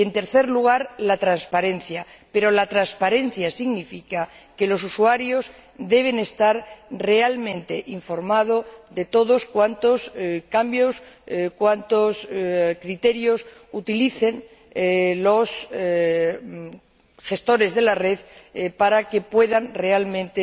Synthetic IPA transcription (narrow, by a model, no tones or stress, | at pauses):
e̞nt̪e̞ɾθe̞ɾluɣ̞aɾlat̪ɾanspaɾe̞nθjape̞ɾo̞lat̪ɾanspaɾe̞n̟θjasiɣnifikake̞lo̞s̬uswaɾjo̞s | d̪e̞β̞e̞ne̞st̪aɾre̞almẽnt̪e̞ʔiɱfo̞ɾmað̞o̞ðe̞t̪o̞ðo̞skwant̪o̞skambjo̞skwant̪oskɾit̪e̞ɾjo̞sut̪iliθe̞n | lo̞s | xe̞st̪o̞ɾe̞zðe̞lare̞ðpaɾake̞pwe̞ðanre̞almẽ̞nt̪e